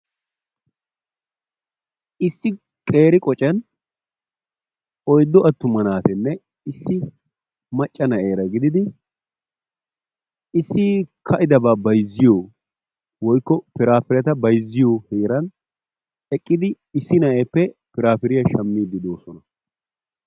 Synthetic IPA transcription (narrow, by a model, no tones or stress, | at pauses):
ʔɪsːɪ | kʼe̞ːɾɪkʼɔt͡ʃʼɛn | ɔjd̪ːɔʔɐt̪ːʊmɐnaːt̪ɛnːɛ | ɪsːɪ | mɐt͡ʃʼːɐnɐʔeːɾɐɡɪd̪ɪd̪ɪ | ɪsːɪkʰɐʔɪd̪ɐbaːbɐjzːɪjoː | wɔjkːɔpɪɾaːfɪɾɛt̪ɐbɐjzːɪjoːheːɾɐn | ɛkʼːɪd̪ɪ | ɪsːɪnɐepːɛpɪɾaːpɪɾɪjɐʃɐmːiːd̪ːɪd̪o̞ːsɔnɐ